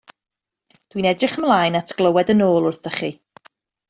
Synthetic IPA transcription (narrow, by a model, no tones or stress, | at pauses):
d̥winɛdrɪχəmlˠaːjnatʰɡ̥lˠəwɛdənoːlˠʊrθəχi